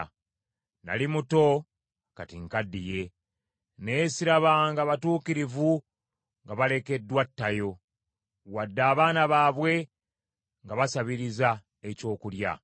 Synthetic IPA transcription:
na̰limuto̞ | katiŋkadːije̞ | ne̞ːsiɾaβaŋɡaβatuːkiɾivu | ŋɡaβale̞ke̞dːwatːajo̞ | wadːaːβaːnaβaːβwe̞ | ŋɡaβasaβiɾiza | e̞co̞ːkulja̰

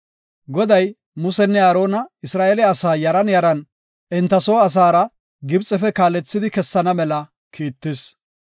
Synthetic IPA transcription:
ɡɔd̪ɐj | mʊsɛnːɛaːɾo̞ːnɐɪsɾaːʔeːlɛɐsaːjɐɾɐnjɐɾɐn | ʔɪnt̪ːɐsoːɐs̬aːɾɐ | ɡɪbt͡sʼɛfɛkaːlɛt͡sːɪd̪ɪkɛsːɐnɐmɛlɐ | kʰiːt̪ːɪs

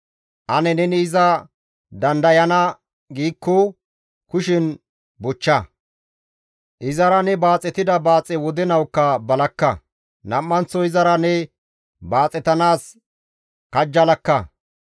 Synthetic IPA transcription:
ʔɐnɛnɛnɪɪzɐ | d̪ɐnd̪ɐjɐnɐ | ɡiːkːɔ | kʊʃɪn | bʊt͡ʃːɐ | ʔɪzɐɾɐnɛbaːt͡sʼːɛt̪ɪd̪ɐbaːt͡sʼɛwɔd̪ɛnɐwkːɐbɐlɐkːɐ | nɐmːɐnt͡sːɔɪzɐɾɐnɛ | baːt͡sʼɛt̪ɐnaːs | kɐd͡ʒːɐlɐkːɐ

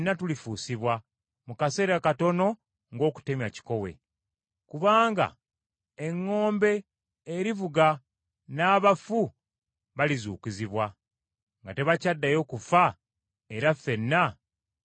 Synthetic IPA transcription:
nːatulifuːsiβwa | mukase̞ːɾakato̞no̞ | ŋɡo̞ːku̥te̞mjaci̥ko̞we̞̰ | kuβaːŋɡa̰ | eŋːo̞ːmbe̞ː | ɾivuɡa | naːβafu | βalizuːkiziβwa | ŋɡate̞βacadːajo̞ːkufa | eɾafe̞nːa

